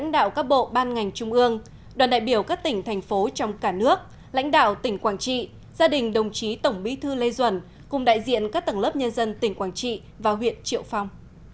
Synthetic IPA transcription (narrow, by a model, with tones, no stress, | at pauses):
l̰jŋ̟ɗa̰ː˧˨wkaː˦˥k̚ɓo̰˧˨ɓaː˧nŋa˨˩jŋ̟t͡ɕʊ˧ŋ͡mʔɨ˧əŋ | ɗwa˨˩nɗa̰ː˧˨jɓi˧˩əwkaː˦˥k̚t̪ï˧˩ŋ̟t̪ʰɛ˨˩jŋ̟fo˨˦t͡ɕɔ˧wŋ͡mkaː˧˩nɨ˦˥ək̚ | la̰˧˥jŋ̟ɗa̰ː˧˨wt̪ï˧˩ŋ̟kwaː˧˩nt͡ɕḭ˧˨ | zaː˧ɗï˨˩ŋ̟ɗə˨˩wŋ͡mt͡ɕi˨˦t̪ə˧˩wŋ͡mɓḭ˧˥t̪ʰɨ˧le˧zə̰˧˩n | kʊ˨˩ŋ͡mɗa̰ː˧˨jzḭ˧˨ənkaː˦˥k̚t̪ə˧˩ŋlə˦˥p̚ɲə˧nzə˧nt̪ï˧˩ŋ̟kwaː˧˩nt͡ɕḭ˧˨ | vaː˨˩ɦwḭ˧˨ənt͡ɕḭ˧˨əwfa˧wŋ͡m